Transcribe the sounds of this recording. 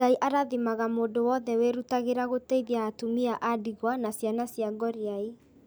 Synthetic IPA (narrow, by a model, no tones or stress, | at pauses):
aiʔaɾaðimaɣamoːdowɔðɛweɾutaɣeɾaɣoteiðiaːtumiaʔadiɣwanasjanasjaɡɔɾiai